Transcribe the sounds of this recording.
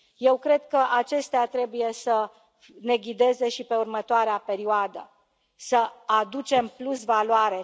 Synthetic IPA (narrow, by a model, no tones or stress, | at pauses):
je̞wkɾe̞d̪̚kəʔat͡ʃe̞st̪eat̪ɾe̞buje̞sə | ne̞ɡʲid̪e̞ze̞ʃipe̞urmət̪oaɾeape̞ɾioad̪ə̰ | səad̪ut͡ʃe̞mplusvaloaɾe̞